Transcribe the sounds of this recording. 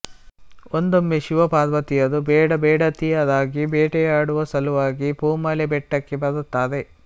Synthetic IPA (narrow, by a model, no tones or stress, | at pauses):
ond̪omːeʃuʋɐpaːd̪ʋɐt̪ijɐd̪ubɛːɽɐbɛːɽɐt̪ijɐd̪aːɡibɛːʈɛjaːɽuʋɐsɐluʋaːɡipuːmɐlebɛʈːɐkːebɐd̪ut̪ːaːd̪e